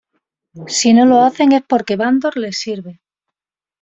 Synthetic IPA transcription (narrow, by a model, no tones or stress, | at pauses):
sino̞lo̞aθe̞ŋe̞spo̞ɾke̞βand̪o̞ɾle̞siɾβe̞